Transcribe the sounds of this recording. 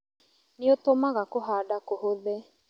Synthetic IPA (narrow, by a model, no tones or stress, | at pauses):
neotomaɣakoɦaːɖakohoðɛ